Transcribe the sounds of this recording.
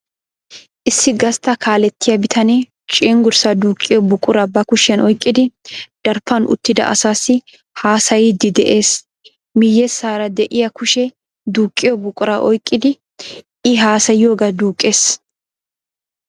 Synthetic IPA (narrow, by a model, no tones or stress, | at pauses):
ʔɪsːɪɡɐst̪ɐkʰaːlɛt̪ːɪjɐbɪt̪ʰɐne | t͡ʃʼiːŋɡʊɾsɐd̪uːkʼːɪjɔbʊkʼːʊɾɐbɐkʊʃɛnʔɔjkʼːɪd̪ɪd̪̥ɐɾfɐnʔʊ̰t̪ːɪd̪ɐ̰ʔɐ̰saːsːɪ | haːsɐjɪd̪ɪd̪ɛʔe̞ːs | mɪjːɛsaːɾɐd̪ɛʔɪjɐkʊʃɛ | d̪uːkʼːɪjɔbʊkʼʊɾɐʔɔjkʼːɪd̪ɪ | ɪɦaːsɐjoːɡɐd̪uːkʼːe̞ːs